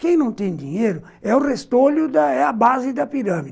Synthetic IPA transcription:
kẽj̃nɐ̃w̃t̪ẽj̃d̪ĩɲejɾʊ | ɛʊrest̪oʎʊd̪ɐɛɐbazɪd̪ɐpiɾɐ̃mid

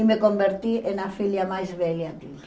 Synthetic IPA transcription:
imekombeɾt̪iʔenafiljamajzβɛljak̪il

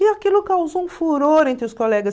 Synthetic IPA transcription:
iakilʊkawzoũfuɾoɾẽnt̪ɾɪʊskolɛɡɐ

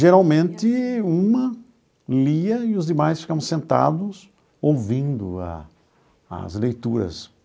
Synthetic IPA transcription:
ʒeɾawmẽnt̪ɪũmɐ | liɐɪʊzd̪ɪmajsfi̥kaɾɐ̃m̃sẽnt̪a̰d̪ʊs | owvĩnd̪ʊa̰ː | zlejt̪uɾɐ̰s

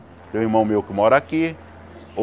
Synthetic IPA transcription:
t̪ẽw̃ihmɐ̃w̃mewkɪmɔɾaki | o

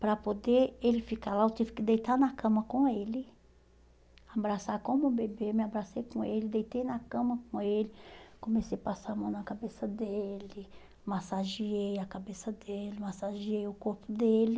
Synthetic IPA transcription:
pɾɐpod̪eelɪfikalaewt̪ivɪkɪd̪ejt̪anɐkɐ̃mɐkõelɪ | abɾasakõmʊʊbebemɪabɾasejkõelɪd̪ejt̪ejnɐkɐ̃mɐkõelɪkõmesejpasamɐ̃w̃nɐkabesɐd̪elɪ | masaʒiejɐkabesɐd̪elɪmasaʒiejʊkoɾpʊd̪elɪ

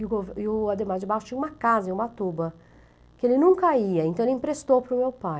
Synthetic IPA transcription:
ɪʊɡovɪʊad̪emãd͡ʒɪbawʊt͡ʃĩɲɐũmɐkazɐ̃ũmɐt̪ubɐ | kɪelɪnũŋkɐiɐẽnt̪ɐ̃elɪĩpɾest̪owpɾʊmewpa

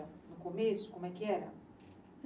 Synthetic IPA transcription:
ɐnʊkomesʊ̥komʊɛkɪɛɾɐ̰

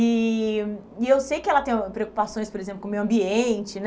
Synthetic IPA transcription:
i | iewsejkɪɛlɐt̪ẽj̃pɾeoku̥pasõj̃spoɾezẽplkõmejwɐ̃mbiẽnt͡ʃɪn

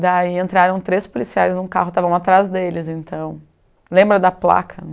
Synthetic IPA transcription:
d̪aiẽnt̪ɾaɾɐ̃w̃t̪ɾespolisiajznʊ̃ka̰ɦʊt̪avɐ̃w̃at̪ɾazd̪elɪzẽnt̪ɐ̃w̃ | lẽmbɾɐd̪ɐpla̰kʰɐ

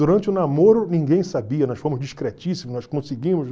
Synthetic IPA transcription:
uɾɐ̃nt͡ʃɪʊnamoɾʊnĩɡẽj̃sabiɐnɔsfõmʊzd͡ʒiʃkɾet͡ʃisimʊnɔʃkõsɪɡĩmʊʃ

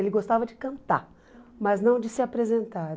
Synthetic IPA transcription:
elɪɡost̪avɐd͡ʒɪkɐ̃nt̪a̰ | mɐznɐ̃w̃d͡ʒɪsɪapɾezẽnt̪aɾ

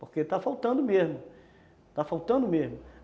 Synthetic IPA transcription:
poɾket̪afawt̪ɐ̃nd̪ʊmezmʊ | t̪afawt̪ɐ̃nd̪ʊmezmʊ

